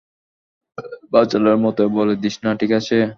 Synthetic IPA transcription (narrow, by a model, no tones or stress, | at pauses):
bat͡ɕalaɾmɔt̪oboled̪iʃnaʈʰikat͡ɕʰe